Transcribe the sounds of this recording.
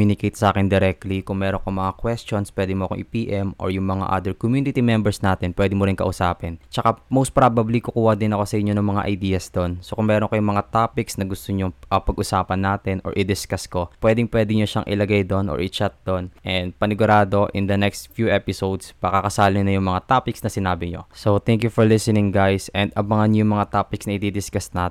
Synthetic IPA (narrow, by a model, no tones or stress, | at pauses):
unɪkejt̪sɐʔaːkɛnd̪ɛɾɛk̚t̪likʊŋmɛːɾo̞nkomɐŋakwɛst͡ʃonspwɛːd̪ɪmoɐkoŋʔɪpiːʔɛmʔo̰ɹjʊŋmɐŋa̰ʔa̰ːd̪ɛɹkomjuːnɪt̪imɛmbɛɹsnaːt̪ɛnpwɛːd̪ɪmoɾɪnkɐ̰ʔʊsa̰ːpɛnt͡ʃɐkamowst̪pɾabɐblikʊkuːhɐd̪ɪnɐko̞sɐʔɪɲːonɐŋmɐŋa̰ʔɐjd̪iːjɐsd̪o̞nsokʊŋmɛːɾonkɐjʊŋmɐŋat̪aːpɪksnɐɡʊst̪oɲoŋʔɐpɐɡʔʊsaːpɐnːaːt̪ɪnʔo̰ɹʔɪd̪ɪskasko̞pwɛːd̪ɪŋpwɛːd̪ɪɲoʃa̰ŋʔɪ̰lɐɡajd̪o̞nʔo̰ɹʔɪt͡ʃat̪̚d̪o̞nʔɛnd̪̚pɐnɪɡʊɾaːd̪o̞ʔɪnd̪ɐnɛkst̪fjuʔɛpɪsowd̪spɐkɐkɐsaːlɪnɐjʊŋmɐŋat̪aːpɪksnɐsɪnaːbɪɲo̞̰sot̪ɛŋkjufɔɹlɪsɛnɪŋɡajsʔɛnd̪ɐbɐŋanɲjʊŋmɐŋat̪aːpɪksnɐʔɪd̪id̪ɪskasnat̪